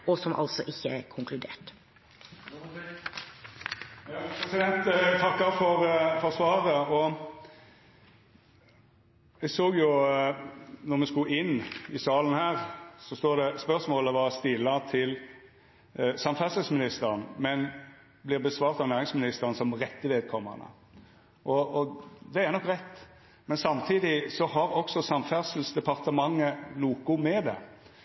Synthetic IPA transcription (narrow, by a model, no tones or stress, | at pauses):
ɔsɔmʔɑ̰lt̪sɔ̰ʔɪçːəkʰʊŋkʰlʉd̪eːʈ | pʰɾɛsɪd̪ɛnt̪ɡt̪ʰɑkːɑfɔɾfɔʁsʋɑːʁəɔ | ɛɡsoːɡjʊ | nɔʁmɛskʉʔɪnːɪsɑːlən̩hæːʁsɔst̪oːd̪ɛspœʁsmoːləʋɑːst̪ɪlːɑt̪ʰɪl | sɑmfæʁsəl̩smɪnɪst̪əɾənmɛn | blɪːʁbəsʋɑːʁt̪ɑʋnæːɾɪŋsmɪnɪst̪əʁənsɔmʁɛt̪ːəʋeːd̪̚kʰɔmːə̰ʁnə̰ | ʔɔɔd̪ɛæʁnɔkːʁɛt̪ː | mɛnsɑmt̪ʰiːd̪ɪsɔɦɑɾɔksɔsɑmfæʁsəlsd̪ɛpʰɑʁt̪əmɑŋːənuːkʊmɛd̪ɛ̰